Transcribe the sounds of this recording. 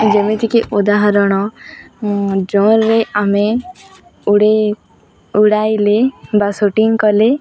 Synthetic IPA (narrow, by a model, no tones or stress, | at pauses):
d͡ʒɛmẽt̪ikeʔɔd̪aɦaɾɔɽ̃ɔ | d͡ʒɔnɾɛame | ɽe | uɽajlebasoʈiŋkɔle